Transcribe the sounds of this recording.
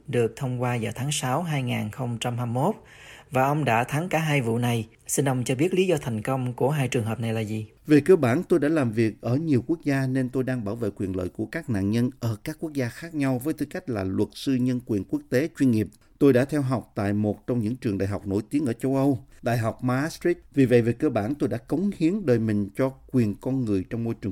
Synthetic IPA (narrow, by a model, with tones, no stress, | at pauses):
ɗɨ˨˩ək̚t̪ʰə˧wŋ͡mkwaː˧zaː˨˩t̪ʰaː˨˦ŋsa˨˦wɦaː˧jŋaː˨˩nxə˧wŋ͡mt͡ɕa˧mɦaː˧mːo˦˥t̚ | vaː˨˩ʔə˧wŋ͡mɗa̰ː˧˥t̪ʰa˨˦ŋkaː˧˩ɦaː˧jvṵ˧˨na˨˩j | si˧nʔə˧wŋ͡mt͡ɕɔ˧ɓi˦˥ət̚li˨˦zɔ˧t̪ʰɛ˨˩jŋ̟kə˧wŋ͡mku˧˩əɦaː˧jt͡ɕɨ˨˩əŋɦəː˨˩p̚na˨˩jlaː˨˩zi˨˩ | ve˨˩kəː˧ɓaː˧˩nt̪o˧jɗa̰ː˧˥laː˨˩mvi˨˩ək̚ʔəː˧˩ɲi˨˩əwku˦˥ək̚zaː˧ne˧nt̪o˧jɗaː˧ŋɓaː˧˩wvḛ˧˨kwi˨˩ənlə̰ː˧˨jku˧˩əkaː˦˥k̚na̰ː˧˨nɲə˧nʔəː˧˩kaː˦˥kːu˦˥ək̚zaː˧xaː˦˥k̚ɲa˧wvəː˨˦jt̪ʰɨ˧˩ka˦˥jk̟̚laː˨˩lwə˨˩t̚sɨ˧ɲə˧nkwi˨˩ənku˦˥ək̚t̪e˨˦t͡ɕwi˧nŋi˨˩əp̚ | t̪o˧jɗa̰ː˧˥t̪ʰɛ˧wɦa˨˩wk͡p̚t̪a̰ː˧˨jmo˨˩t̚t͡ɕɔ˧wŋ͡mɲɨ̰˧˥ŋt͡ɕɨ˨˩əŋɗa̰ː˨jɦa˨˩k͡p̚no̰˧˥˩jt̪i˨˦ənʔəː˧˩t͡ɕə˧wʔə˧wɗa̰ː˧˨jɦa˨˩wk͡p̚maː˧˦sti˦˥t̚vi˨˩və̰˧˨jve˨˩kəː˧ɓaː˧˩nt̪o˧jɗa̰ː˧˥kə˨˦wŋ͡mhi˨˦əŋɗəː˨˩jmï˨˩ŋ̟t͡ɕɔ˧kwi˨˩ənkɔ˧nŋɨ˨˩əjt͡ɕɔ˧wŋ͡mmo˧jt͡ɕɨ˨˩ə